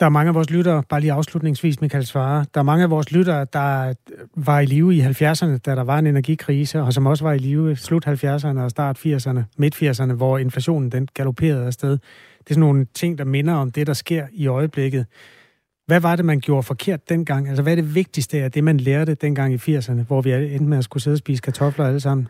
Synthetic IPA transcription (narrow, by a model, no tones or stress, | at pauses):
d̥ɑ̈æɐmɑ̈ŋəæʋɒːs̬lyɾɐːb̥ɑ̈ːliːɑ̈ʊslud̥ne̝ŋsʋḭːsmikʰælsʋɑ̈ːd̥ɑ̈ɐmɑ̈ŋəæʋɒːslyɾ̥ɐːd̥ɑ̈ | ʋɑ̈iliːʊiɦælfjæɐsɐnəd̥æɾɑ̈ʋɑ̈e̝ne̝næɐɡ̥ikʰʁiːsəɒ̽s̬ɒ̽mɒ̽s̬əʋɑ̈iliːʊslud̥hælfjæɐs̬ɐnəɒ̽sd̥ɑ̰̈ːd̥fiɐ̰sɐnəme̝d̥fiɐ̰s̬ɐnəʋɒe̝nflæɕo̝̰ːnn̩d̥enɡ̥ælo̝pʰe̝̰ːɐð̞̩ˠæɐsd̥eð̞ˠ | d̥e̝sɒno̝ːnt͡sʰe̝ŋ̰d̥ɑ̈me̝nɐɒ̽md̥e̝ɾ̥ɑ̈sɡ̥e̝ɐ̰iɒ̽ɪəb̥leɡ̥ð̞̩ˠ | ʋæʋɑ̈ɾe̝mænɡ̥jo̝ːɐfɒ̽kʰe̝ɐ̰d̥̚ːen̰ɡ̥ɑ̈ŋ̰ælsɐʋæɐd̥e̝ʋe̝ɡ̥̚d̥isd̥əæɐd̥e̝mænleːɐd̥əd̥en̰ɡ̥ɑ̈ŋ̰ifiɐ̰sɐnəʋɒʋien̥meæsɡ̥us̬eð̞ˠɒsb̥ḭːs̬ə̥kʰæt͡sʰɒ̽flɐæləs̬ɑ̈m̰n̩